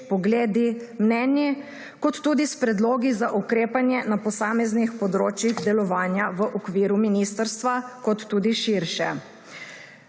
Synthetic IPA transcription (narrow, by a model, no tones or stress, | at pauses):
pɔɡleːd̪imnɛnjɛ | kɔt̪ːuːd̪ispɾɛd̪loːɡizaʔukɾeːpanjɛnapɔsaːmɛznixpɔd̪ɾoːt͡ʃjiɣd̪ɛlɔʋaːnjaʋəʔɔkʋiːɾuminiːst̪əɾst̪ʋakɔt̪ːuːd̪iʃiɾʃɛ̰